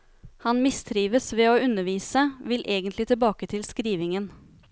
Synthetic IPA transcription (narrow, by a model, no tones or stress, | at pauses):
hɑnmɪst̪ʰɾiːʋəsʋɛːoːʉnəʋiːsəʋɪlʔeːɡənt̪lɪt̪ʰɪlbɑːkət̪ʰɪlskɾiːʋɪŋən